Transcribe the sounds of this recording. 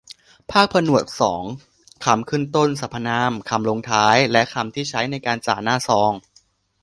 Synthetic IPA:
pʰaː˥˩k̚pʰa˧nu˨˩ət̪̚sɔ̰ː˩˦ŋ | kʰa˧mkʰɯː˥˩nt̪o˥˩nsa˨˩pʰːa˧naː˧˥mkʰa˧mloː˧ŋt̪ʰaː˦˥jlɛ˦˥ʔkʰa˧mt̪ʰiː˥˩t͡ɕʰa˦˥jna˧jkaː˧nt͡ɕa̰ː˨˩naː˥˩sɔː˧ŋ

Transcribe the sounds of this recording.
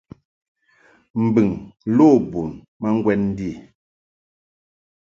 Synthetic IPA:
m̩˨bɨ˨ŋlo˦˨bu˨n | ma˦ŋ˦ɡwɛ˦nn̩˦di˦˨

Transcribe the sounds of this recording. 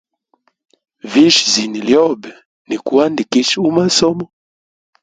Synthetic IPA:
vi˦ʃzi˨ni˨ljɔ˦bɛ˨ | ni˨ku˨wa˦ndi˨ki˦ʃu˦ma˦sɔ˦mɔ˦

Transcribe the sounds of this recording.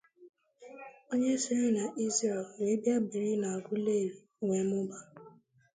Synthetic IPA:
o˦ɲe˦si˦ɾɪ˦na˨ʔi˦ze˨lwe˨˦bja˦bi˨ɾi˦na˨a˨ɡʷʊ˦le˦˨ɾi˨˦ŋʷe˨˦mʊ˦ba˦

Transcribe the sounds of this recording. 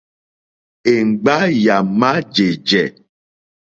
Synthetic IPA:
e˨ŋ͡m̩˨ɡ͡ba˦ja˨ma˦d͡ʒe˨d͡ʒɛ˨

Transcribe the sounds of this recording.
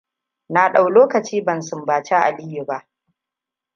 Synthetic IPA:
naː˨ɗa˨wloː˦kɐ˨t͡ʃiː˦bɐ˨nsʊ˨mbaː˨t͡ʃa˦ʔa̰˨lɪ˦jʊ˨ba˦ʔ

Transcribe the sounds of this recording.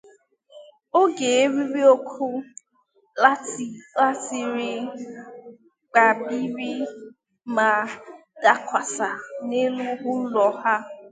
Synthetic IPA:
o˦ɡe˨e˦ɾi˦ɾi˦o˦kʰu˦ | la˦˨la˦ti˨ɾi˦ | k͡pa˨bi˦ɾi˦ | ma˨da˦kʷa˨sa˨ne˦lu˦ɦu˦lɔ˨ha˦

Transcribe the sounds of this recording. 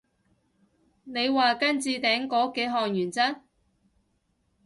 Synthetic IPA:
ne˨˧jwaː˨kɐ˥nt͡siː˧t̪ɛː˨˥ŋkɔː˨˥ke˨˥ɦɔː˨ŋjyː˨˩nt͡sɐ˥n

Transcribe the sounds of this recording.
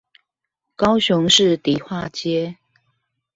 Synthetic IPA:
kɑ˦ʊɕʊ˧˦ŋʂɻ̩˥˨t̪i˨˩xwa˥˨t͡ɕjɛ˥˦

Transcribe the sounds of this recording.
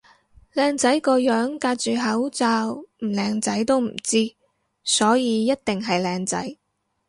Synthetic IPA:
lɛː˨˧ŋt͡sɐ˨˥jkɔː˧jœː˨˥ŋkaː˧t̚t͡ʃyː˨ɦɐ˨˥wt͡saː˧wm̩˨˩lɛː˧ŋt͡sɐ˨˥jt̪o˥wm̩˨˩t͡siː˥ | sɔː˨˥jiː˨˧jɐ˥t̚t̪ɪ˨ŋɦɐ˨jlɛː˨˧ŋt͡sɐ̰˨˥j

